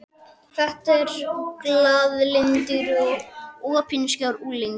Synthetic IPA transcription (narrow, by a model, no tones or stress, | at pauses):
θɛht̪ɛɾklaðlɪnt̪ʏɾɔɣɔːpʰinscawɾuːlɪŋ